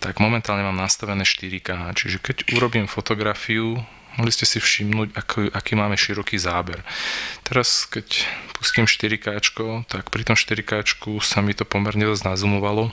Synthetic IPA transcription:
t̪aɡmɔmɛnt̪aːlɲɛmaːmnast̪aʋɛnɛːʃt̪iɾikaːt͡ʃiʒɛkɛɟuɾɔbiːmfɔt̪ɔɡɾafiu | mɔɦliscɛsifʃimnuːɟakuʔakiːmaːmɛʃiɾɔkiːzaːbɛɾt̪ɛɾaskɛcpusciːmʃt̪iɾikaːt͡ʃkɔt̪akpɾit̪ɔmʃt̪iɾikaːt͡ʃkusamit̪ɔpɔmɛɾɲɛd̪ɔznazumɔʋalɔ

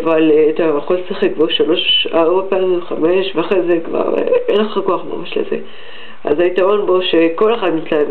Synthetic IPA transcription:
valeat̪ajeχolsiχek̚boʃalo̞ʃaʁomapaχameʃveaχezekva̰ʁḛeneχakoaχma̰maʃlḛzḛ | ʔa̰zaitaʁo̞nbo̞ʃeko̞leχad̪mitla

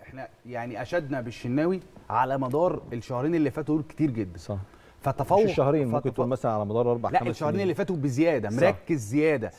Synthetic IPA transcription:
ʔeħnæjaʕniʔæʃæd̪næbeʃːenːæːwiʕa̰læmɑd̪ˤɑːɾˤelʃæhɾˤiːnelːifæːt̪uuːlke̥t̪iːɾɡed̪ːæn | fæt̪ːɑfɑwːoʃæhɾiːnket̪wlmæsælænʕalæmɑd̪ɑːɾˤʔɑɾˤbaʕlæʔmʔelʃːæhɾiːnʔelːifæːt̪ubezejæːd̪æmoɾˤɑkːezːejæːd̪æ

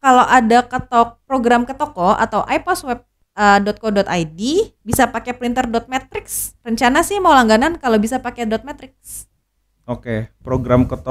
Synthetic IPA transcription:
kalowʔadakət̪ɔk̚pɾoɡɾamkət̪ɔkɔa̰t̪awʔajpɔswɛp̚ | ədɔt̪̚kɔdɔt̪ajdibisapakɛpɾint̪ərdɔt̪̚mɛt̪ɾɪksrəɲt͡ʃanasɪhmawlaŋɡanankalobisapakɛdɔt̪̚mɛt̪ɾɪk̚s | okepɾoɡɾamkət̪o

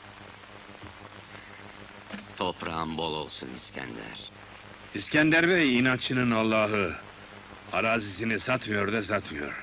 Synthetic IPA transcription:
t̪ʰopɾa̰mbolˠo̰lˠsuniscʰæ̰nd̪æ̰ɾ̥ | iscænd̪æɾβɛjinant͡ʃʰːɯnɯnalˠːaːɦɯ | aɾaːzis̬inisat̪mɯjo̞ɾd̪asat̪mɯjo̞̰ɾ̥

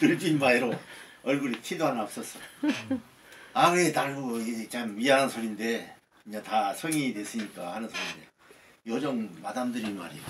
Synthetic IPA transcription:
tɯɭd͡ʑinmaiɾo | ʌɭɡuɾitʰidoɦanʌp̚s͈ʌs͈ʌ | akɯɾetaɭɡoit͡ɕamɥianɯnsʰoɾinde̞ | kɯɲatasʰʌŋidwe̞s͈ɯɲik͈ahanɯnsʰoɾind̪e̞ | jod͡ʑʌŋmadamdɯɾinma̰ɾi

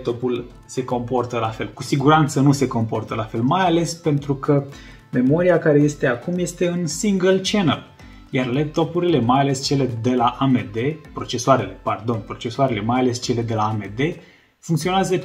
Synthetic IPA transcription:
pt̪o̞pul | se̞ko̞mpo̞rt̪əlafe̞lkusiɡuɾant̪sənuse̞ko̞mpo̞rt̪əlafe̞lmajale̞spe̞nt̪ɾukʰə | me̞mo̞ɾiakaɾe̞je̞st̪e̞akumje̞st̪e̞ɨnsiŋɡəlt͡ʃenəl | jarlep̚t̪o̞puɾile̞majale̞st͡ʃe̞le̞d̪e̞laʔamed̪e̞pɾo̞t͡ʃe̞soaɾe̞le̞pard̪o̞npɾo̞t͡ʃe̞soaɾe̞le̞majale̞st͡ʃe̞le̞d̪e̞laːme̞d̪e̞ | fuŋkt̪sio̞neazə

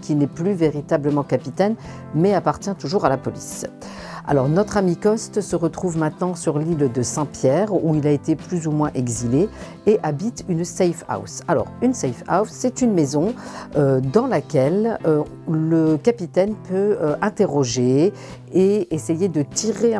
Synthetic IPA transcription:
kʲinɛplyveʁit̪abləmɑ̃kapit̪ɛn | mɛapaʁt̪jɛ̃t̪uʒuʁalapɔlis | a̰lɔʁnɔt̪χamikɔst̪səʁət̪χuvmɛ̃t̪nɑ̃syʁlild̪əsɛ̃pjɛʁuilaet̪eplyzumwɛ̃ʔɛɡzileː | ʔabit̪ynsɛjfa̰wsalɔ̰ʁynsɛjfa̰wsːɛt̪ynmezɔ̃ød̪ɑ̃lakʲɛlø | ləkapit̪ɛnpøøɛ̃t̪eʁɔʒe | eesejed̪ət̪iʁe

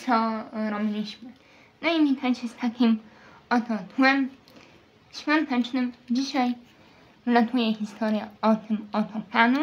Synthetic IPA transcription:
sɔɾɔbʲilʲiɕmɘ | nɔimʲik̪ʰat͡ɕɛst̪ʰakʲim | ɔt̪ɔt̪wɛm | ɕfʲɔnt̪ɛt͡ʂnɘmd͡ʑiɕaj | vlat̪ujɛxʲist̪ʰɔɾjɛɔt̪ɘmɔt̪ʰɔpʰanu

